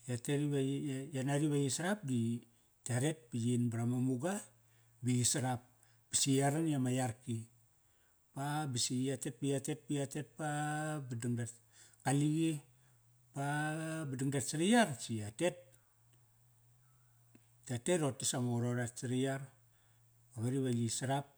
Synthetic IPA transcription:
jateɾiβajanaɾiβajisaɾap̚di | taɾe̞t̚pijinbaɾamamuɡa | biisaɾap̚ | b̥isiaɾanjamajaɾki | pabisiatet̚bijatet̚pijatet̚pabduŋda | kaliɡi | pabidiŋdatsiɾijaɾt͡ʃiate̞t̚ | tateɾotːisaŋoɾoɾatt͡ʃiɾijaɾ | aβaɾiβajisaɾap̚

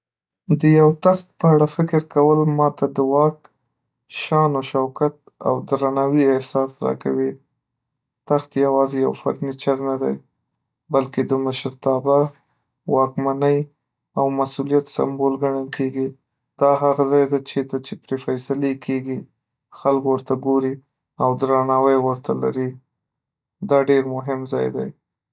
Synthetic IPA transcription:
d̪əjawt̪axt̪̚pəaɽafɪkɪɾkawəlmɑt̪ad̪əwɑk | ʃɑnoʃawkat̪̚ | a̰wd̪ɾanawiɪhsɑsɾɑ̰ka̰wi | t̪axt̪jawɑzejawfa̰ɾnit͡ʃaɾnad̪a̰j | balked̪əməʃɾt̪ɑba | wɑkmanəj | awmasulijat̪sa̰mbolɡaɳakʰeɡi | d̪̥ɑɦaɣazɑjd̪at͡ʃet̪at͡ʃepɾefajsalekʰeɡi | xalkwəɾt̪aɡoɾi | awd̪ɾanɑwəjwəɾt̪ʰala̰ɾi | d̪ɑɖeɾmʊɦɪmzɑ̰jd̪a̰j

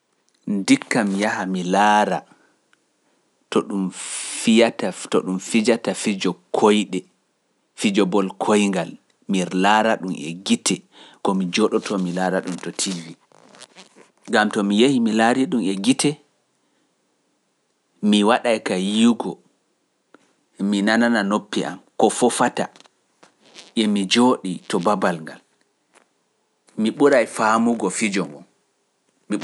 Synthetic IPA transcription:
ndikːamjahamilaːɾa | tɔɗumfijatatɔ̰ɗumfid͡ʒatafid͡ʒɔkʰojɗɛ | fid͡ʒɔbɔlkʰojŋɡal | miɾlaɾaɗumɛ̰ɡitʰɛ | kɔmid͡ʒɔɗɔtʰɔmilaɾaɗumtɔtʰilːi | ɡamtɔmijehimilaɾiɗumɛɡitɛ | miwaɗajkajiɡɔ | minanananopːiʔa̰mkɔfɔfata | ʔɛmid͡ʒoːɗitɔbabalŋɡa̰l | miɓuɾajfamuɡɔfid͡ʒɔŋɡɔ̰n | mi

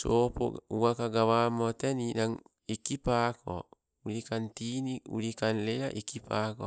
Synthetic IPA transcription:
sopo̰uwakaɡawamɔt̪eninaŋ | ikipakʰɔ̰ | uɾikant̪iniṵɾikanlejaʔikipakɔ

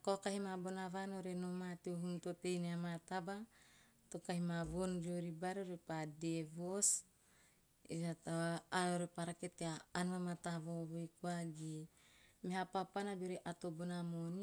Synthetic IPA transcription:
akokaɦimabonavanoɾenomat̪euɦunt̪ot̪ejneamat̪aba | t̪okahimaβond͡ʒoɾibaɾoɾepadevos | eat̪aaoɾepaɾaket̪eaːnuamat̪aβoβojkuaɡimeɦapapanabeoɾeʔat̪obonamoni

